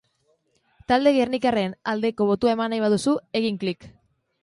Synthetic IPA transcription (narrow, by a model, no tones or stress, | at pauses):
t̪ald̪e̞ɣernikare̞nald̪e̞ko̞β̞o̞t̪uae̞manajβ̞aðusue̞ɣiŋklik